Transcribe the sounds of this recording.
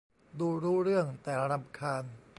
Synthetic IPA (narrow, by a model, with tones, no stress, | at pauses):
duː˧ɾuː˦˥ɾɯ˥˩əŋt̪ɛː˨˩la˦˧ɾa˧˩mkʰaː˧n